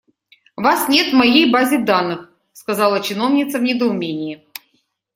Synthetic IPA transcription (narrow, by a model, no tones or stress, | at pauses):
vasnʲe̞t̪vmɐjejbazʲɪd̪anːɨx | skɐzalˠət͡ɕɪno̞vnʲɪt̪səvnʲɪd̪əʊmʲenʲɪjɪ